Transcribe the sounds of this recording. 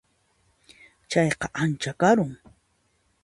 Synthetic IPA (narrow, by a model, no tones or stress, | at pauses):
t͡ʃɑjqɑʔant͡ʃakaɾʊŋ